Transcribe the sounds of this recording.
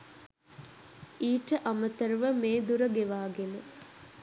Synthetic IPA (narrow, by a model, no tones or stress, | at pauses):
iːʈəʔamət̪əɾʋəmeːd̪uɾəɡeʋaːɡenə